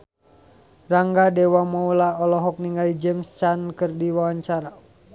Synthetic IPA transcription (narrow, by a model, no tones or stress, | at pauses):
raŋɡadɛwamaulaɔlɔɦɔk̚niŋaid͡ʒɛmst͡ʃankərdiwawaɲt͡ʃaɾa